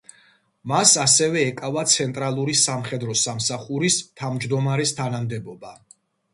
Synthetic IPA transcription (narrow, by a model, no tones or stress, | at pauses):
masasɛvɛːkʼavat̪sʰɛnt̪ʼɾalˠuɾisamχɛd̪ɾɔsamsaχuɾist̪ʰavmd͡ʒd̪ɔmaɾɛst̪ʰanamd̪ɛbɔba